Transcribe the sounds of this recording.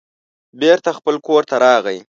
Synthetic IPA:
beɾt̪axpəlkoɾt̪aɾɑɣəj

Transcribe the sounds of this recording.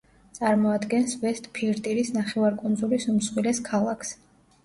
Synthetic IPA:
t̪sʼaɾmɔad̪ɡɛnsvɛst̪ʼpʰiɾt̪ʼiɾisnaχɛvaɾkʼund̪zulisumsχwilɛskʰalˠakʰs

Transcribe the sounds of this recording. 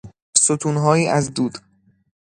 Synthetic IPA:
sot̪ʰuːnɦɒːjiːʔæzd̪uːd̪̥

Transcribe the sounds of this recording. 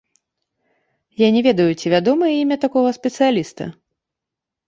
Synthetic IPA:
janʲɛvʲɛd̪ɐjut͡sʲivʲad̪ɔmɨjɛimʲɛt̪akɔɣɐspʲɛt̪sɨjalʲist̪ɐ̰

